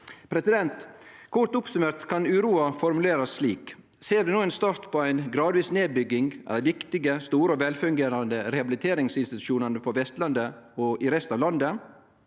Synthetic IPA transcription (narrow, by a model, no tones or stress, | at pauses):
pʰɾɛsɪd̪ɛnt̪kʰʊɾt̪ʊpsʉmeːɾt̪kʰɑnʉːɾuːɑfɔɾmʉleːɾɑsːliːk | seːd̪ʉnuːɛnst̪ɑɾt̪pʰɔæɪnɡɾɑːd̪ʋiːsneːbʏɡːɪŋɛ̰ʋɪkt̪ɪɡəst̪uːɾəɔʋɛlfʉŋɡeːɾɑnd̪əɾɛhɑbɪlɪt̪ʰeːɾɪŋsɪnst̪ɪt̪ʉ̥ʃuːnənəpʰɔʋɛst̪lɑnd̪ə | ɔɪɾɛst̪ɑʋlɑnd̪ə